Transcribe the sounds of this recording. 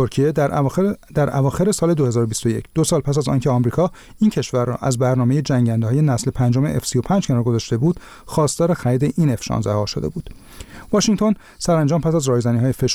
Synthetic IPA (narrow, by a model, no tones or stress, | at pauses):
oɾcʰije | d̪æɾæ̰vɒːxe̞ɾe̞sɒːle̞d̪o̞he̞zɒːɾobist̪o̞je̞̰cʰd̪̥o̞sɒːlpʰæs̬æzɒ̰ːncʰeɒːmɾiːkʰɒː | iːncʰe̞ʃvæɾːɒ̰ːʔæzbæɾnɒːme̞jed͡ʒæŋɟænd̪ehːje̞næsle̞pʰænd͡ʒo̞me̞ʔefsijo̞pʰænd͡ʒcʰenɒːɾɡo̞zɒːʃt̪e̞buːd̪̥ | xɒːst̪ɒːɾexæɾiːd̪e̞ʔiːne̞fʃɒ̰ːnzæhɒːʃod̪e̞̰buːd̪̥ | vɒːʃiŋt̪ʰo̞n | sæɾænd͡ʒɒːmpʰæsæzrɒːjzæniːhɒːjefe̞ʃ